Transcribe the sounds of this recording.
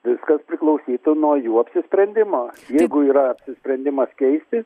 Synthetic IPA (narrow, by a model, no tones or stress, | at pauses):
ʋʲɪskɐspʲɾʲɪklˠɐʊsʲiːt̪ʊnuɔjuːɐpʲsʲɪsʲpʲɾʲɛnʲd̪ʲɪmoːjɛɪɡʊiːɾɐɐpʲsʲɪsʲpʲɾʲɛnʲd̪ʲɪmɐskʲɛɪsʲt̪ʲɪ